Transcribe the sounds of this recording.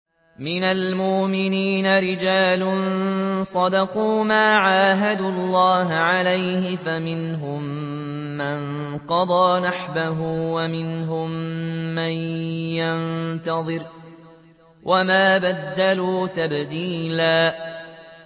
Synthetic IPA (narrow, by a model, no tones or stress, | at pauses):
mɪnalmʊʔmɪniːnaɾɪd͡ʒaːlʊnsˤɑd̪ɑquːmaːʕaːɦad̪ʊɑlˤːɑːɦʕalajhɪfamɪnɦʊmː | an | qɑd̪ˤɑːnaħbaɦuːwamɪnɦʊmːanjant̪ɑðˤɨɾ | wʔamaːbad̪ːaluːt̪abd̪iːlaː